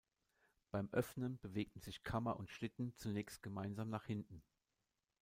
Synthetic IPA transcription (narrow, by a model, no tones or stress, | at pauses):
b̥aɪmʔœfnənb̥əveːk̚tn̩zɪçkʰamɐʔʊntʃlɪtn̩t͡sunɛːçst̚ɡ̥əmaɪnzaːmnaːχhɪntn̩